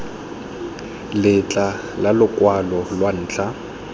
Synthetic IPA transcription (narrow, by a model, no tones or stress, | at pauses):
lɪt͡ɬʼa | lalʊkʼwalɔlwan̩ːt͡ɬʰʼa